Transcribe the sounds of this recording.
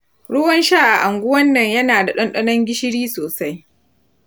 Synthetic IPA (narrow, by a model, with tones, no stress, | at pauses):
ɽʊ˦wɐ˦nʃaː˦ʔa˨ʔa˨ŋɡʷʊ˦wɐ˦nːɐ˨ɲjɐ˦naː˨da˨ɗɔ˦nɗɐ˦nɐ˦ŋɡʲɪ˦ʃɪ˦ɽiː˦soː˨sa˦j